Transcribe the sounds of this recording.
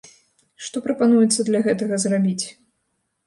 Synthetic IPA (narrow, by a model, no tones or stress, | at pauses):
ʂt̪ɔpɾɐpanujɛt̪sːɐd̪lʲɐɣɛt̪ɐɣɐzrabʲit͡sʲ